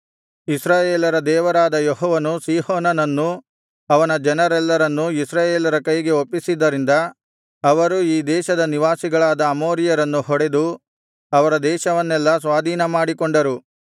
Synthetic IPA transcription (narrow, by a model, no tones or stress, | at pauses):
isɾaːjeːlɐɾɐd̪ɛːʋɐɾaːd̪ɐjɔɦɔːʋɐnusiːhoːnɐnɐnːu | ɐʋɐnɐd͡ʒɐnɐɾɛlːɐɾɐnːuisɾaːjeːlɐɾɐkɐjɡe̞opːisid̪ːɐɾind̪ɐː | ʋɐɾuiːd̪ɛːʃɐd̪ɐniʋaːsiɡɐɭaːd̪ɐːmoːɾijɐɾɐnːuɦɔɽe̞d̪u | ɐʋɐɾɐd̪ɛːʃɐʋɐnːɛlːɐs̬ʋaːd̪ʱiːnɐmaːɽikoɳɖɐɾu